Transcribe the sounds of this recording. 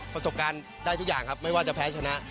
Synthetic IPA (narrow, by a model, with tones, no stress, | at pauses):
pɾa˧so˨˩p̚kaː˧n | daː˥˩jt̪u˦˥k̚jaː˨˩ŋkʰa˦˥p̚ma˥˩jwaː˥˩t͡ɕa˨˩pʰɛː˦˥t͡ɕʰa˧na˦˥ʔ